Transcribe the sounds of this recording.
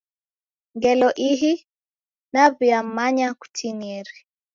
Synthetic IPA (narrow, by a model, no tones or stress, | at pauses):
ŋɡɛlɔʔiɦi | naβiam̩ːaɲaku̥tʰiniɛɾi